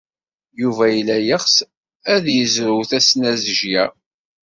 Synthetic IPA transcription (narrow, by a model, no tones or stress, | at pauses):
juvæjəlːæjəχs | æðjəzɾuwθæsnæzʒjæ